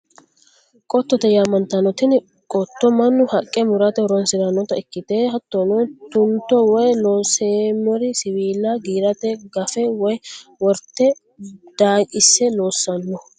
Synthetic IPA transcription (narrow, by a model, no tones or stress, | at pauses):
kʼɔt̪ːɔt̪ɛjaːmɐnt̪ɐnɔt̪ɪn | kʼɔt̪ːɔmɐnːʊhɐkʼːɛmʊɾɐt̪ɛɾɔnsɪɾɐnːɔt̪ɐɪkːɪt̪eːɦɐt̪ːonɔt̪ʊnt̪ːɔwɔjloːseːmɔɾɪsɪwiːlːɐɡiːɾɐt̪ɛɡɐfɛwɔjwɔɾt̪ːɛ | d̪̥aːkʼɪsːɛlo̞ːsːɐnːɔ